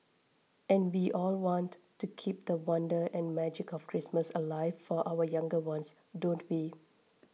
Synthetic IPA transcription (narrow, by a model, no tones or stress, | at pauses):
ʔɛ̃nwiʔɔlwɔ̃nttːukʰip̚d̪əwʌ̃ndəʔɛ̃nmɛd͡ʒɪkɔfkʰɹisməsəlaɪvfɔʔaʊwəjãŋɡəwãns | dõntwi